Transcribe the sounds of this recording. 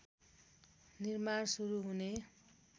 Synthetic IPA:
nirmansuɾuɦune

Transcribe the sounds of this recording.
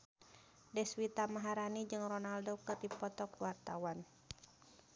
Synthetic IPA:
dɛswit̪amaɦaɾanid͡ʒɨŋrɔnaldokɨrdipɔt̪ɔkwart̪awan

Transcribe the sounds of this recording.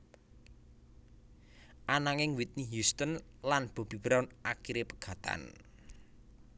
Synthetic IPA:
ʔanaŋɪŋwit̪̚niɦjust̪ənlanb̥o̤b̥i̤bɾɔnʔakiɾepə̥ɡ̥ä̤t̪a̰n

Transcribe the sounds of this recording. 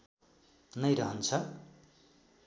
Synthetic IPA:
nʌjɾʌɦʌnt͡sʰʌ

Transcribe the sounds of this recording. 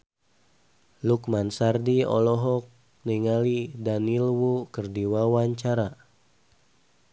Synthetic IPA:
lukmansardiɔ̰lɔɦɔk̚ | niŋalidanilwukərdiwawaɲt͡ʃaɾa

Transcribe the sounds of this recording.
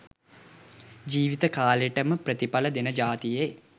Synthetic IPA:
d͡ʒiːʋit̪əkaːleʈəməprət̪ipaləd̪enəd͡ʒaːt̪ije

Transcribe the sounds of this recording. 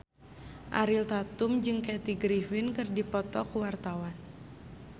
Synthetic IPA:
ʔaɾilt̪at̪ʊmd͡ʒɨŋkɛt̪iɡɾifinkɨrdipɔt̪ɔkuwart̪awan

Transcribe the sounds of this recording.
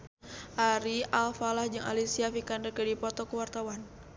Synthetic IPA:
ʔaɾialfalahd͡ʒɨŋʔa̰lisiafikandərkədipɔt̪ɔkəwart̪awan

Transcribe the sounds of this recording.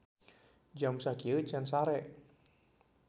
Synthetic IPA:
d͡ʒamsakiət͡ʃansaɾɛʔ

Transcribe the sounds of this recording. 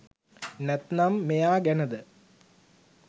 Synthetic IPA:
nɛt̪namːejaːɡenɐd̪ɨ

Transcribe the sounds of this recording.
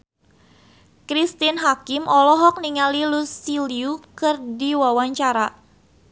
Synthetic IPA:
kɾist̪inɦakɪmɔlɔɦɔk̚niŋalilusiliukɨrdiwawaɲt͡ʃaɾa

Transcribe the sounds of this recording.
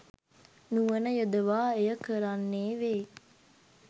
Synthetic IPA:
nuʋənəjod̪əʋaːejəkəɾanːeːʋeː

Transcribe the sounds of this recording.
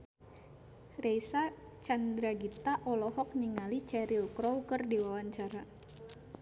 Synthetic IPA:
rejsa | t͡ʃand̪ɾaɡit̪aʔɔlɔɦɔk̚niŋalit͡ʃɛɾilkɾɔwkərdiwawaɲt͡ʃaɾa

